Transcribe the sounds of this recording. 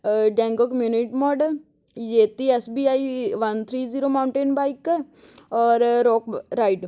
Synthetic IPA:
ɖɛ̃ːŋɡokəmjuːniʈmɔːɖəl | jeːt̪iɛsbiːaːiʋɐnt̪ʰɾiːziːɾoːmaːʊɳʈẽːnbaːik | ɔːɾɾɔːkɾaːɪɖ

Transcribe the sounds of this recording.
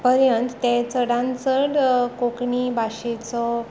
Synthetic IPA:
pəɾjənt̪ːet͡səɽãnt͡səɽkokɳibʱaɕet͡sɔ

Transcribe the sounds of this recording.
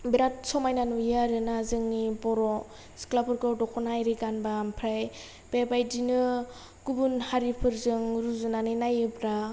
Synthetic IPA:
biɾat̚sɔmajnanujaɾɯnazɯŋnibɔɾɔ | sklapʰɯɾɡɔdɔkʰɔnajɾiɡanbampʰɾaj | b̥ebajdinɯ | ɡubunhaɾipʰɯɾzɯŋɾuzunaninajɯpɾa

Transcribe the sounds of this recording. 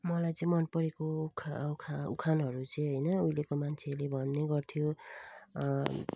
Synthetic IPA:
mʌlajt͡sʌĩmʌnpʌɾekokʰkʰṵkʰanɦʌɾut͡sʌj̃ɦʌjnʌujlekomant͡sʰelebʱʌnːeɡʌrt̪ʰijo

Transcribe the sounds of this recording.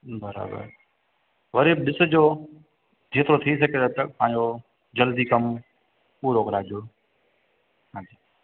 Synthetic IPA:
bɐɾa̰ːbə̰ɾ | ʋɐɾeːbɗɪsə̆d͡ʑoː | d̪ʰʱeːt̪ɾot̪ʰis̬ɐket̪ɐpãːɪ̃ɲo | d͡ʑɐld̪ikɐm | puːɾoːkɾaːd͡ʑjoː | ɦãːd͡ʑiː

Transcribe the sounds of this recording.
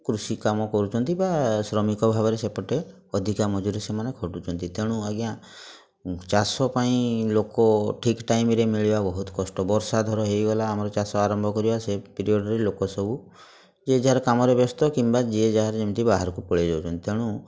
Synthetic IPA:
kɾusikamɔkɔɾut͡ʃʰɔnt̪ibasɾɔmikɔbʱabɔɾesepɔʈe | ɔd̪ʱikamɔd͡ʒuɾesemanekʰɔʈut͡ʃʰɔnt̪it̪eɽ̃ũaɡjã | t͡ʃasɔpaĩlokɔʈʰikʈajmɾemiɭibabɔɦut̪ɔ̥kɔsʈɔbɔɾsad̪ʱɔɾɔɦejɡɔlaːmɔɾɔt͡ʃasɔaɾɔmbʱɔkɔɾibasepiɾiɔɖɔɾelokɔsɔbu | d͡ʒeed͡ʒaɦaɾkamɔɾebjɔst̪ɔkimbad͡ʒied͡ʒaɦaɾd͡ʒemt̪ibaɦaɾɔkupɔɭed͡ʒawt͡ʃʰɔnt̪it̪ʰeɽ̃ũ

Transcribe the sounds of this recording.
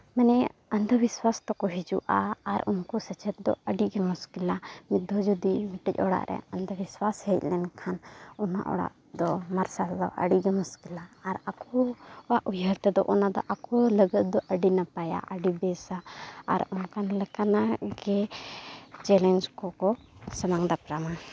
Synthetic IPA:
mɛnɛənd̪ʱəbiswast̪ɔkɔɦid͡ʒṵʔaːɾunkɔsət͡ʃʰɛt̪̚d̪ɔ̰əɖiɡɛmuskilamid̪ʱɔd͡ʒɔd̪imiʈɛc̚ɔɽa̰ʔɾɛ̰ənd̪əbiswashɛc̚lɛnkʰanɔna̰ʔɔ̰ɽa̰ʔ | d̪ɔmaɾsald̪ɔ̰ʔə̰ɖiɡɛmuskilaːɾakɔwaʔʔujəɾt̪ɛd̪ɔʔɔnad̪ɔ̰ʔakɔləɡət̪̚d̪ɔʔəɖinapaja̰ʔəɖibɛsa̰ːɾunkʰanlɛkanaɡɛ | t͡ʃɛlɛnd͡ʒkɔkɔsəmaŋd̪apɾama

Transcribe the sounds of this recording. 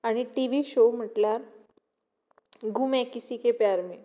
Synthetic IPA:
aɽ̃iʈiʋiɕom̤əʈljaɾ | ɡumɛ̃kisikepjaɾmi

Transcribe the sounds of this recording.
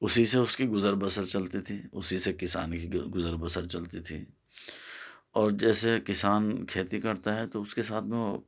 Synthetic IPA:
ʊsiseʊskiɡʊzəɾbəsəɾt͡ʃɐlt̪it̪ʰiʊsisekɪsaːnkiɡʊzəɾbəsəɾt͡ʃɐlt̪it̪ʰḭː | ɔːɾd͡ʒɛːsekɪsaːnkʰeːt̪ikɐɾt̪aɦɛt̪oʊskesaːt̪ʰmẽ

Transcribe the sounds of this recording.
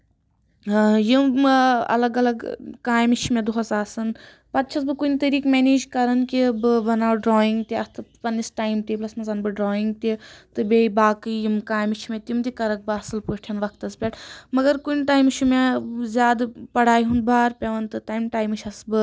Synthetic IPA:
jimɐ̰lɐɡɐlɐɡkaːjmit͡ʃʰimed̪uɦɐsaːsɨn | pɐt̪̚t͡ʃʰɐsbɨkunʲt̪ɐɾiːkmeːniːd͡ʒkɐɾɐnkibɨbɐnaːɖɾoːiŋɡt̪iɐst̪ʰɨpɐnːisʈaːjmt̪iplɐsmɐzanbɨɖɾoːiŋɡ̚t̪it̪ɨbeibaːkɨjimkaːjmit͡ʃʰimet̪imt̪ikɐɾɐk̚bɨɐsɨlpuʃʈʰjɐnʋɐkʰt̪ɐspʲeʈmɐɡɐɾkunʲʈaːjmt͡ʃʰimezʲjaːd̪pɐɽaːjɦunbaːɾpʲeʋɐnt̪ɨt̪aːjmʈaːjmɨt͡ʃʰɐsbɨ

